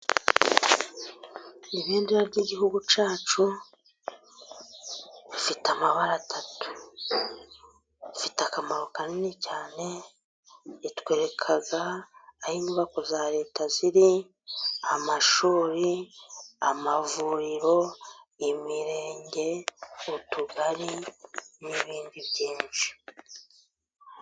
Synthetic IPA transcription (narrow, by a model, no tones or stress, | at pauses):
niβeːndeɾaɾɟiɟiɦuɡut͡ʃaːt͡ʃu | βifitamaβaɾatʰatu̥ | ifitakamaɾokaninicaːne̞ | itwe̞ːɾe̞kʰaɡaːhiːniβakozaɾe̞ːtaziɾi | amaʃuːɾi | amavuɾiɾo̞imiɾeːɲɟe̞utuɡaɾiniβiːndiβjiːnt͡ʃi̥